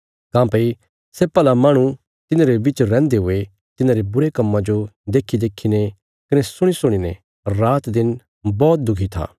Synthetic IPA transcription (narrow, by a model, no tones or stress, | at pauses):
kãːpɐi | seːpɛːlamaːɽ̃ũ | t̪ɪnãɾebɪt͡ʃɾɛ̃ːnd̪eɦʊe | t̪ɪnãːɾebʊɾekɐmːãd͡ʒod̪eːkʰːid̪eːkʰːine | kɐnesʊɽ̃isʊɽ̃inḛ̃ | ɾaːt̪d̪ɪn | bɔːt̪̚d̪ʊkʰit̪ʰa̰ː